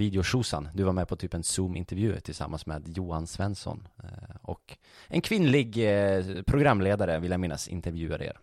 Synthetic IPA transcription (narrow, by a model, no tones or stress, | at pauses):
viːd̪ɛʊʂuːsa̰nd̪ɵvaɾmɛpʰɔt̪ʰyːpɛnsuːmɪ̰nt̪ɛɾvjʉ̟ːt̪ʰɪlsa̰mːansmɛ̰ːd̪juːhansvɛnsɔ̰nɔk | ʔɛnkʰvɪnlɪɡ | pʰɾʊɡɾamːleːd̪aɾəvɪljamɪnːa̰sɪ̰nt̪əɾvjʉ̟ːaɾḛːɾ